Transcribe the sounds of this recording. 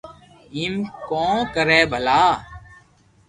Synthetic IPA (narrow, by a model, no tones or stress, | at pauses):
ɪmkõːkəɾɛːbʱəlaː